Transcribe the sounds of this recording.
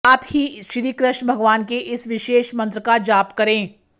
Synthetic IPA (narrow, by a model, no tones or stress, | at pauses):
ɐt̪hiʃɾiːkɾɪʃbʱɐɡʋaːnkeʔɪsʋɪʃeːʃmɐ̃nt̪ɾəkad͡ʒaːpkɐɾẽː